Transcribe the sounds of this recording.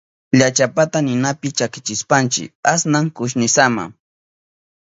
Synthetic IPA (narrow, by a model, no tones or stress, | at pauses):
ʎat͡ʃapat̪anɪnapɪt͡ʃakɪt͡ʃɪspant͡ʃɪ̰kasnaŋkʊʃ̬nɪsama̰ŋ